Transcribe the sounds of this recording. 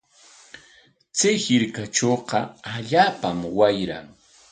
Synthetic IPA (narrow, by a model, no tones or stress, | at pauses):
t͡sajhɪɾkat͡ʃoːqɑaʎaːpamwajɾa̰ŋ